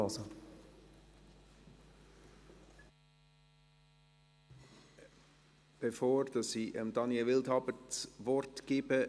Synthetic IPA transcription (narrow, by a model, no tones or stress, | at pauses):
ɑsə | b̥efoːɾd̥ɑsiːʔəmd̥ɑnjɛlvɪldhɑbət͡svɔrtɡ̥eːbə